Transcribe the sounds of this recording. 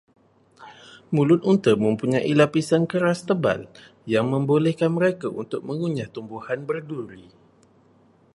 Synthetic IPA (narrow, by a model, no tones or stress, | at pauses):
mũlʊt̪̚unt̪əmə̃mpuɲaʔilapisankəɾast̪əba̰l | jaŋmə̃mbolɛhkanməɾekaunt̪ʊk̚mə̃ŋuɲaht̪umbuhanbərduɾi